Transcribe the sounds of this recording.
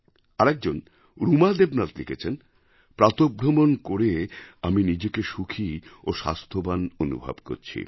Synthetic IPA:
aɾɛk̚d͡ʑon | ɾumad̪ebnat̪lḭkʰet͡ɕʰen | pɾat̪obɾomonkoɾeaminid͡ʑekeʃukʰioʃa̰st̪ʰobanonṵbʱa̰bko̰ɾt͡ɕʰḭ

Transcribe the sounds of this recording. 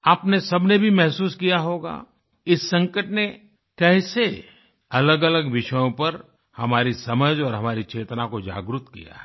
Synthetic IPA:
aːpnesɐbnebʱimɛɦsuːskijaɦoːɡa̰ː | ɪsːɐ̃ŋkəʈne | kɛːse | ɐləɡɐləɡʋɪʃəjõpɐɾ | hɐmaːɾisɐməd͡ʒɔːɾɦɐmaːɾit͡ʃeːt̪nakod͡ʒa̰ːɡɾʊt̪kḭja̰ɦ

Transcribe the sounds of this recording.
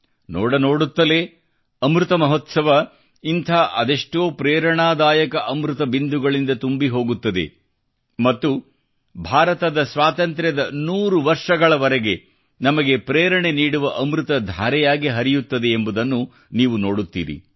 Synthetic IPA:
no̰ːɽɐnoːɽut̪ːɐle̞ː | ɐmɾut̪ɐmɐɦot̪sɐʋɐ | int̪ʰaːʔɐd̪eʂʈoːpɾeːɾɐɳaːd̪aːjɐkɐʔɐmɾut̪ɐbind̪uɡɐɭind̪ɐt̪umbiɦo̞ːɡut̪ːɐd̪e̞̰ | mɐt̪ːu | bʱaːɾɐt̪ɐd̪ɐsʋaːt̪ɐnt̪ɾjɐd̪ɐnuːɾuʋɐɾʂɐɡɐɭɐʋɐɾeɡe̞ | nɐmɐɡe̞pɾeːɾɐɳe̞niːɽuʋɐʔɐmɾut̪ɐd̪ʱaːɾɛjaːɡiɦɐɾijut̪ːɐd̪e̞ːmbud̪ɐnːu | niːʋuno̞ːɽut̪ːḭːɾḭ

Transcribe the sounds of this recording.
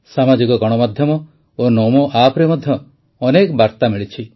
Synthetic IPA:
samad͡ʒikɔɡɔɽ̃ɔmad̪ʱjɔmɔ | onɔmoʔapɾemɔd̪ʱjɔː | nekbaɾt̪amiɭit͡ʃʰi

